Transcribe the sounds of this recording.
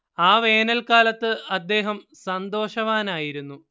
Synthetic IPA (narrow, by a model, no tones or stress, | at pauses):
aːʋe̞ːnɐlkaːlɐt̪ːɨɐd̪ːe̞ːɦɐm | sɐnd̪o̞ːʂɐʋaːnaːjiɾunːu